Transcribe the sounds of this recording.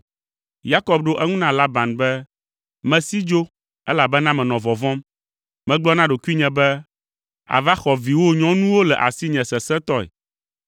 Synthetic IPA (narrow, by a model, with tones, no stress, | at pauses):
ja˦kɔ˦˨b̚ɖo˦ʔɛ˦ŋũ˦nã˦la˦ba˨nbɛ˦ | mɛ̃˨si˦d͡ʒo˦ | ɛ˦la˨bɛ˦nã˦mɛ̃˨nɔ̃˨vɔ˨vɔ̃˦m | mɛ̃˨ɡ͡blɔ˦nã˦ɖo˨ku˦i˦ɲɛ̃˨bɛ˦ | a̰˨va˦xɔ˨vi˨wo˦ɲɔ̃˦nũ˦wo˦lɛ˨ʔa̰˨si˦ɲɛ̃˨sɛ˨sɛ̃˦t̪ɔ˦ɛ̰˨